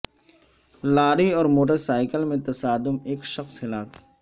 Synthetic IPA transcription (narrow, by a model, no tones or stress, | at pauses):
laːɾiɔːɾmoːʈ̬əɾsaːɪkəlmẽt̪ɐsaːd̪ʊmeːkʃɐxshɪlaːk